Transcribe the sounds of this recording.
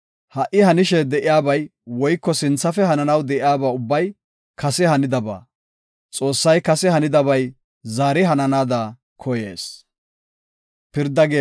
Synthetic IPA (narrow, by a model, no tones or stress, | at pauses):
hɐʔɪhɐnɪʃɛd̪ɛʔɪjaːbɐjwɔjkːɔsɪnt͡sːɐfɛhɐnɐnɐwd̪ɛʔɪjaːbaːʊbːɐj | kʰɐsɛhɐnɪd̪ɐba̰ː | t͡sʼo̞ːsːɐjkɐsɛhɐnɪd̪ɐbɐj | zaːɾɪɦɐnɐnaːd̪ɐ | kʰɔjḛːs | pɪɾd̪ːɐɡe